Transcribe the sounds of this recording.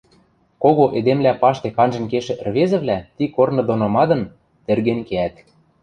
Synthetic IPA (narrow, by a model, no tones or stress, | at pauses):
koɣoʔed̪emlʲæpɑʃt̪ekɑnʒɤ̆nkeʃĕʔ̆rβezɘ̆βlʲæt̪ikornɤ̆d̪onɑmɑd̪ɤ̆n | t̪ĕrɣĕnkeæt̪